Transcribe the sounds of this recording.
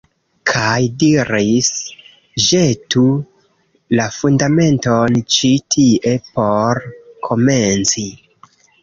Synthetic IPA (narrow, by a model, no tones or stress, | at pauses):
kʰajdiɾis | ʒetu | lafundame̞nto̞nt͡ʃitʰiʔe̞po̞ɾkʰo̞me̞nt͡si